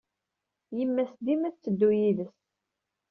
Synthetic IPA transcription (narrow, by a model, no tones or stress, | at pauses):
jəmːæsd̪imæt͡sːəd̪ːujiðəs